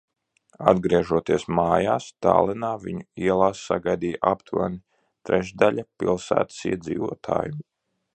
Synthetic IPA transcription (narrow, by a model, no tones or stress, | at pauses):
a̰d̪ɡɾiɛʒuɔt̪iɛsmaːjaːst̪a̰ːlˠɛnaːviɲuiɛlˠaːsːaɡajd̪ijaʔapt̪uva̰ɾni | t̪ɾɛʒd̪aʎʲapilˠsæ̰ːt̪ə̥siɛd̪zḭːvuɔt̪ʰa̰ːjum